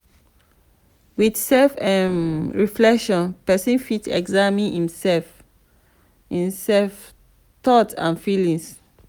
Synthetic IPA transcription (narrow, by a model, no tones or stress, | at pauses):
widsɛfãnɹiflɛkʃɔ̃npɛsĩnfitɛ̰ɡzamĩnhĩmsɛlf | hĩmsɛlf | t̪ɔtã̰nfilĩŋs